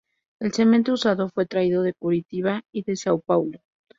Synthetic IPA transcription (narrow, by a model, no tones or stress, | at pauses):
e̞lsement̪ousaðo̞fwe̞t̪ɾaiðo̞ðe̞kuɾit̪iβaiðe̞sawpawlo